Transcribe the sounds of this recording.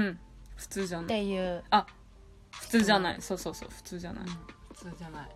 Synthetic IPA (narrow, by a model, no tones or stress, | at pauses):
ɯ̃ɸɯ̟̥t͡sɨːʑanaejɯa | ɸɯ̟t͡sɨːʑanaḭsoːsoːso̰ːɸɯ̥t͡sɨːd͡ʑa̰na̰iɸɯ̥t͡sːd͡ʑanai